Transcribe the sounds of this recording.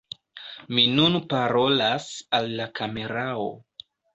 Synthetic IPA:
minunpaɾo̞lasalːakame̞ɾao̰

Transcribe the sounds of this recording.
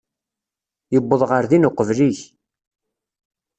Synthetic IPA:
jəbːəðˤʁəɾðinʊqːəvliç

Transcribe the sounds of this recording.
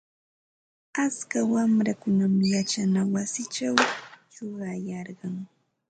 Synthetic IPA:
at͡skawamɾakʊnamjat͡ʃanawasɪt͡ʃawjʊɢɑjɑɾɢɑŋ

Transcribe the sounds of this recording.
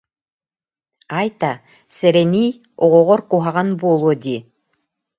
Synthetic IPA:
ajt̪a | sɛɾɛnij | oʁoʁɔɾkuɦaʁɑnbolˠud̪ʲi

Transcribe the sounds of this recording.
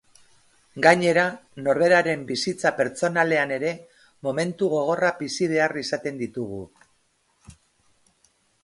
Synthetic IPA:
ɡaɲe̞ɾano̞ɾβe̞ɾaɾe̞mbisit͡sape̞ɾt͡so̞nale̞ane̞ɾe̞ | mo̞me̞nt̪uɣ̞o̞ɣ̞o̞rabisiβ̞e̞arisat̪e̞nd̪it̪uɣ̞ṵ

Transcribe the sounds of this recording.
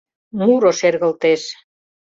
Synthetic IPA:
nuɾoʃerɣə̆lt̪eʃ

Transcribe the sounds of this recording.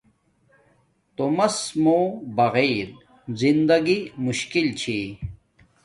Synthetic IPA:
t̪omɐsmoːbɐɣeːɾ | zind̪ɐɡimuɕkilt͡ɕʰi

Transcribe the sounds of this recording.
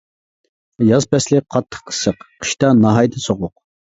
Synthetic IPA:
jɑzpɛslɪqʰɑt̪ʰːə̥χqʰə̥səqqʰə̥ʃt̪ɑnɑɦɑjd̪ɨsoʁʊq̚

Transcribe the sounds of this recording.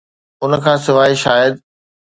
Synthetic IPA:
ʊnəkʰãːsɪʋaːɦiʃaːjəd̪

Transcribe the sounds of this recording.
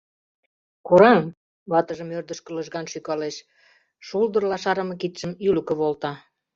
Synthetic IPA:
kuɾɑm | lɑt̪əʒə̆mørd̪əʃkə̆ləʒɣɑnʃykɑleʃ | ʃuld̪ə̆rlɑʃɑɾə̆mɤ̆kit̪ʃəmylə̆kə̆βolt̪ɑ

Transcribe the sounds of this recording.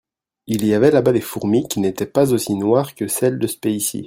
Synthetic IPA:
iliavɛlabad̪efuʁmikʲinet̪ɛpazosinwaʁkəsɛld̪əsə̥peisḭ

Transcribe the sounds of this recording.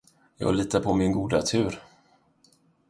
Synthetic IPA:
jɑ̰ːɡliːt̪apʰɔmɪnɡuːd̪at̪ʰʉ̟ːɾ

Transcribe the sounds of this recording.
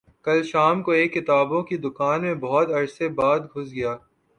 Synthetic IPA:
kɐlʃaːmkoeːkːɪt̪aːbõkid̪ʊkaːnmẽbɔɦɔt̪ɐɾsebaːd̪ɡʱʊsɡɐjaː

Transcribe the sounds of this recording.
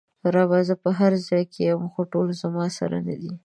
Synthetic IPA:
ɾɑbazəpəɦaɾzɑjkʰejəmxoʈolozamɑsa̰ɾa̰na̰d̪i

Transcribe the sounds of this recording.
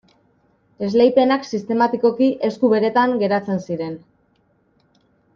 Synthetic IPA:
e̞zlejpe̞naksist̪e̞mat̪iko̞kiʔe̞skuβe̞ɾe̞t̪aŋɡe̞ɾat͡se̞nsiɾe̞n

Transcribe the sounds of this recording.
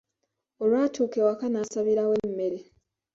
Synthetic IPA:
o̞lwaːtʰuːke̞wakanasaβiɾawemːeɾe

